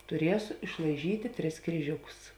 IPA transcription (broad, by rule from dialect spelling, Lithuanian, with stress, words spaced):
tʊˈrʲiɛsʊ ɪʃlˠɐɪˈʒʲiːtʲeː tʲrʲɪs krʲiːˈʒʲʊkʊs